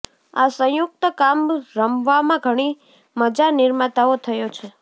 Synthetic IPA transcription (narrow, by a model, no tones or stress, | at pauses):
asə̃jʊk̚t̪əkamɾəmʋamãɡʱəɽ̃i | məd͡ʒanɪɾmat̪aot̪ʰəjot͡ʃʰe